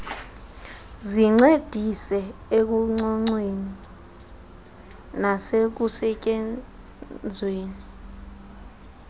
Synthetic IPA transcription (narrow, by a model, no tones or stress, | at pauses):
ziŋ͡ǀed̥ʱisɛek̬uŋ͡ǀɔŋ͡ǀweni | nasek̬usɛk̬ʼe | d͡zʱweːni